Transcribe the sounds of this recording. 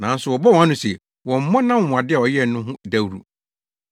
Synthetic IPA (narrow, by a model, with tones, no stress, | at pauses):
nã˨n̩˦sʊ˨wɔ˨bɔ˦wɔ̃˨a˦nʊ̃˦sɛ˨ | wɔ̃˨m̩˨˦mɔ̃˦nã˦m˦˨ʊ̃˨a˨dɪ˦ɛ˨ɔ˨jɛ˦˨nʊ̃˦ɦʊ̃˦da˦wɾu˦˨